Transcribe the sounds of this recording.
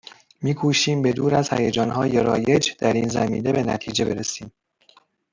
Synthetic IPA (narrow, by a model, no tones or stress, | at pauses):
miːkʰuːʃiːmbe̞d̪uːɾæz̥hæ̰jed͡ʒɒːnɦɒːjeɾɒːje̞d͡ʒd̪̥æɾiːnzæmḭːne̞be̞næ̰t̪ʰiːd͡ʒe̞be̞ɾesiːm